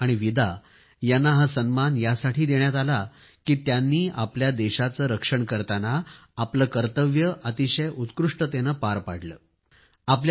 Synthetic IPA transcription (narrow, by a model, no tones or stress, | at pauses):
aɽ̃iʋid̪a | janːaɦasənmanjasaʈiːd̪eɳjat̪ala | kiːt̪janːiːʔapljad̪eɕat͡səːɾəkʂəɳkəɾt̪anaː | pləːkəɾt̪əʋjəʔət̪iɕəjʔut̪kɾuʂʈət̪enəpaɾpaɽ̤lə̰ː | ap̬lj